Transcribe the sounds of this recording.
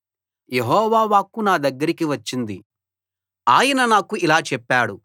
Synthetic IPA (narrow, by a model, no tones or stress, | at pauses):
jeɦɔːʋaːʋaːkunaːd̪ɐɡːɐɾikiʋɐt͡ʃːind̪i | aːjɐnɐnaːkuilaːt͡ʃɛpːaːɽu